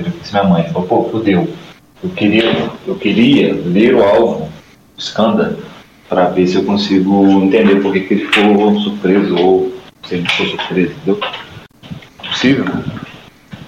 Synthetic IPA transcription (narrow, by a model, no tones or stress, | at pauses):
ɾẽksimĩɲɐmɐ̃j̃falpofud̪ew | ewkeɾiɐewkɪɾiɐleɾʊawvʊ | ʊiskɐ̃nd̪ɐɾʊ | pɾɐvesɪewkõsiɡʊĩnt̪ẽnd̪epoɾkekelɪfkoɾõsuɾpɾezɐowsɪɐʒẽt͡ʃ̪ɪ̥foɾsuɾpɾezɐ̃t̪ẽd̪ew | ɛpʊ̥sivewm